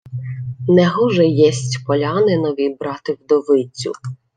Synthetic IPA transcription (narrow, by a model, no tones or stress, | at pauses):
nɛɦɔʒɛjɛsʲtʲpɔlʲɑnɪnɔʋʲibɾɑt̪ɪwd̪ɔʋɪt͡sʲːʊ̰